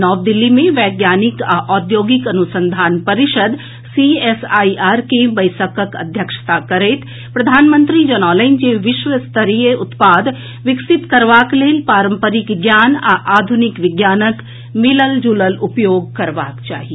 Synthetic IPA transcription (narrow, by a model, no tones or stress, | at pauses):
nɔːʋd̪ɪlːimẽʋɛːɡjaːnɪkɔːd̪joːɡɪkɐnʊsə̃nd̪ʱaːnpɐɾɪʃəd̪ | siesaːiʔaːɾkibɐɪsəkəkɐ̰d̪ʱjəkʃə̥t̪akɐɾeːt̪ | pɾɐd̪ʱaːnmə̃nt̪ɾid͡ʒɐnɔːləɪnd͡ʒeʋɪʃʋəst̪ʰəɾijəʊt̪paːd̪ | ʋɪksɪt̪kɐɾʋaːkleːlpaːɾə̃mpəɾɪkɡjaːnaʔaːd̪ʱʊnɪkʋɪɡjaːnək | mɪləld͡ʒuːləlʊpjoːɡ̚kɐɾʋa̰ːkt͡ʃa̰ːɦie